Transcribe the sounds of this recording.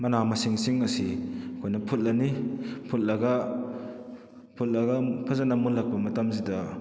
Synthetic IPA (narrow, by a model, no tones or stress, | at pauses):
mɐnamɐsiŋsiŋɐsikʰɔjnɐpʰut̚lanipʰut̚lɐɡa | pʰut̚lɐɡapʰazanamunlak̚pɐmɐtamsida